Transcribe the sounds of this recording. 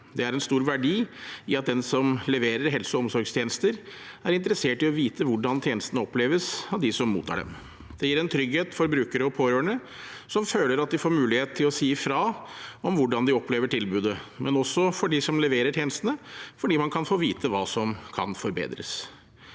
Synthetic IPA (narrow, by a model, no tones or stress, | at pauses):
d̪ɛæɾɛnst̪uːɾʋæɖiːɪɑt̪̚d̪ɛnsɔmlɛʋeːɾəɾɦɛlsɔɔmsɔɾɡst̪ʰjeːnəst̪əɾæɾɪnt̪əɾəseːʈɪɔʋiːt̪ʰəʋʊɖɑnt̪ʰjeːnəst̪ənəɔpleːʋəsɑʋd̪ɪsɔmmṵːt̪ʰːɑ̰ːɖɛ̰m | d̪̥ɛjiːɾɛnt̪ʰɾʏɡheːt̪fɔɾbɾʉːkəɾəɔpʰoːɾøːəɳə | sɔmføːləɾɑt̪̚d̪ɪfoːɾmʉːlɪheːt̪t̪ʰːɪlɔsiːfɾɑːɔmʋʊɖɑnd̪ɪɔpʰːleːʋəʈʰɪlbʉːd̪əmɛnɔsːɔfɔɖɪsɔmlɛʋeːɾəʈʰjeːnəst̪ənəfɔɖiːmɑnkʰɑnfoːʋiːt̪ʰəʋɑːsɔmkʰɑ̰nfɔɾbḛːd̪ɾə̰s